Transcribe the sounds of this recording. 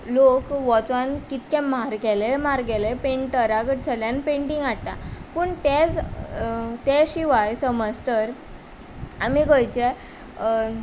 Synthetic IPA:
lokʋɔt͡sʋankit̪̚kɛ̃maɾɡɛlemaɾɡɛlepeɳʈʈəɾaɡəʈt͡ɕʰəljãnpẽɳʈĩŋɡaɽt̪a̰pəɳt̪ed͡z | t̪ɛɕiʋajsəməd͡zt̪əɾ | amiɡəjt͡ɕɛ

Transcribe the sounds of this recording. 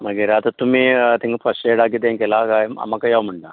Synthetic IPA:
məɡiɾat̪at̪umiːt̪iŋɡəpəseɽak̬it̪̬eŋkɛlakaja̰makajawm̤əɳʈ̪a

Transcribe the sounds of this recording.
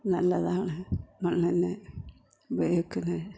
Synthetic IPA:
nɐlːɐðaːɳɨmɐɳːɐnːɨ | bejɐkːunːɨ

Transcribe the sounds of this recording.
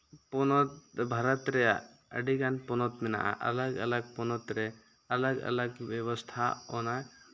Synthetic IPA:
pɔnɔt̪bʱaɾat̪ɾɛjaʔ | ə̰ɖiɡanpɔnɔt̪mɛna̰ʔa̰ʔa̰laɡa̰laɡ̚pɔnɔt̪ɾɛ | alaɡa̰laɡbɛβɔst̪ʰaɔnaj

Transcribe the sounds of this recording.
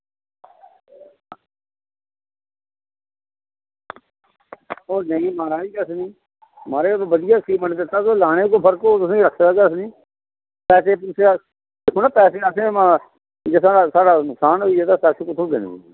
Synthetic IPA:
oːnəĩːmaːɾaːiːkəsnĩː | maːɾeːbəd̪ɪjaːkiːməɳd̪ɪt̪ːaːtoːlaːɽ̃ẽːkoːpʰəɾkoːt̪ʊsẽːiɾəkʰːaːkeːəsnĩː | pɛːseːpuːt͡ʃʰa | d̪ekʰoːnaːpɛːseːəsẽːmã | d͡ʒeːsaːɖaːsaːɖaːnʊksaːnɦoieːt̪aːsɛːseːkʊt̪ʰõːɡ̪ɪndḭː

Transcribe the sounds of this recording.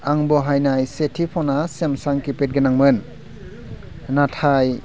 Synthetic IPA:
aŋbɔɦajnajsetʰipʰɔnasemsaŋkipet̚ɡenaŋmɯn | natʰaj

